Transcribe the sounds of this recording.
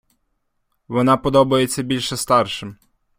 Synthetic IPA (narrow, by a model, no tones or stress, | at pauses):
ʋɔnɑpɔd̪ɔbɐjet͡sʲːɐbʲilʲʃɛst̪ɑrʃɪm